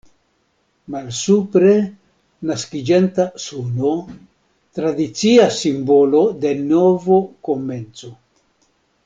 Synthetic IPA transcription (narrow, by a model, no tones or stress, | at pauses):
malsupɾe̞ | naskid͡ʒentasuno̞ | t̪ɾadit͡siasimbo̞lo̞de̞novoko̞me̞nt͡so̞